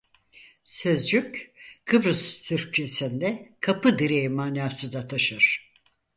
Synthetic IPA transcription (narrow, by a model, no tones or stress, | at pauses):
sø̞zd͡ʒykʲkʰɯbɾɯst̪ʰyɾc̚t͡ʃʰe̞sind̪ɛkʰapɯd̪iɾejimaːnaːsɯd̪at̪ʰaʃɯɾ̥